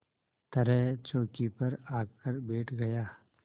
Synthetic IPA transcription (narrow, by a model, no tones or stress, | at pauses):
t̪ɐɾɛɦt͡ʃoːkipɐɾaːkəɾbeːʈʰɡɐjaː